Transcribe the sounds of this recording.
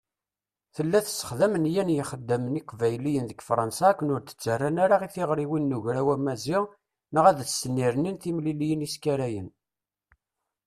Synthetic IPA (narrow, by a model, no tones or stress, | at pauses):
θəlːæθsːə̥χðæmənjænjəχəd̪ːæməniqvæjlijənðəɡfɾˤɑnsaːkʷːənʊɾt̪ə̥t͡sːərˤːænaɾaʁiθiʁɾiwinːuʝɾæwæmæzɪʁ | nəʁæðθsənːiɾninθimlilijəniskæɾæjən